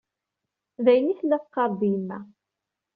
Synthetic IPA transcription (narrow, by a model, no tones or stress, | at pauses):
ðæjniθlːæθqːɑɾˤðimːæ